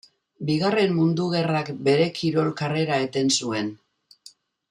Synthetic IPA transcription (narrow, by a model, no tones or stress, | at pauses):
biɣ̞are̞mmund̪uɣ̞e̞rakbe̞ɾe̞kʰiɾo̞lkare̞ɾae̞t̪e̞nsue̞n